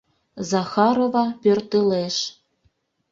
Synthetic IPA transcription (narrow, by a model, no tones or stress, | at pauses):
zɑxɑɾovɑpørt̪əleʃ